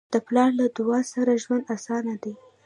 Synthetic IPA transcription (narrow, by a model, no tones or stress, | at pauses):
d̪̥əplɑɾlad̪ʊɑsaɾaʒwand̪asɑnad̪e